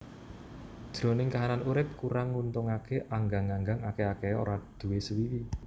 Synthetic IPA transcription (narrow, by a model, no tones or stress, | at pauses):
dd̥ʒ̥ɾo̤nɪŋkaɦananuɾɪp̚kuɾaŋːunt̪ʊŋakeʔaŋɡaŋaŋɡaŋakeakeo̰ɾad̪̥ṳwesəwiwi